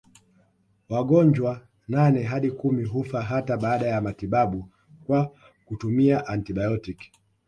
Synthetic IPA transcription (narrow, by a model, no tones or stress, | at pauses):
waɠɔɲd͡ʒwa | nanɛɦaɗikumiɦufaɦataɓaːɗajamatiɓaɓu | kwa | kutumiaʔantiɓajɔtik